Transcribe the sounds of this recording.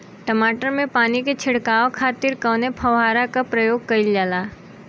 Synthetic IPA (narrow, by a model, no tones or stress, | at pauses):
ʈəmaːʈəɾmẽpaːniket͡ʃʰɪɽkaːʋokʰaːt̪ɪɾkɐwnepʰəʋɦaːɾakapɾəjoːɡ̚kɐɪljaːlaː